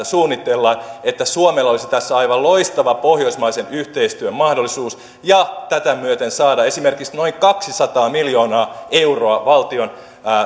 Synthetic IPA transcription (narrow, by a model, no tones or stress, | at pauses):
suːnːit̪ːelːɑnet̪ːæsuomelːolisit̪æsːæɑjʋɑlloist̪ɑʋɑpohjo̞ismɑisenyht̪eist̪yømmɑhdolːˑisuːs | jɑt̪æt̪æmyøt̪ensɑːdɑe̞sime̞rkiksno̞iŋkɑksisɑt̪ɑːmiljoːnɑːe̞uro̞ɑʋɑlt̪io̞nː